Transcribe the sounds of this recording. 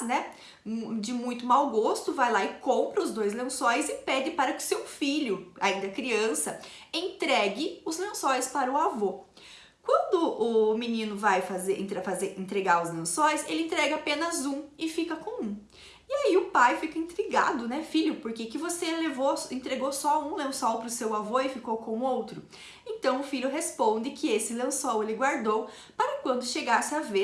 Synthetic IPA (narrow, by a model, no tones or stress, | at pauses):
nɛ | d͡ʒɪmũj̃t̪ʊmawɡost̪ʊvajlaɪkõmpɾɐʊzd̪ojzlẽsojɪzɪpɛd͡ʒɪpaɾɐkɪ̥sewfiʎʊa̰ĩnd̪ɐkɾiɐ̃sɐẽnt̪ɾɛɡɪʊzlẽsɔjɪspaɾɐʊavo | kwɐ̃nd̪ʊʔːminĩnʊvajfazeɾẽt̪ɾefazeɾẽnt̪ɾeɡaɾʊzlẽsõjselɪẽnt̪ɾɛɡɐapẽnɐzũɪfikɐkõw̃ũ | ɪaiʊpajfikɐĩnt̪ɾiɡa̰d̪ʊnɛfiʎʊpoɾkekɪvoselevoẽnt̪ɾeɡosɔũlẽw̃sɔwpɾʊsewavoɪfikowkõw̃ʊowt̪ɾʊ | ẽt̪ɐ̃w̃ʊfiʎjʊɦespõd̪ɪkɪesɪlɐ̃w̃sowelɪɡwaɾd̪ow | paɾɐkwɐ̃nd̪ʊʃeɡasɪave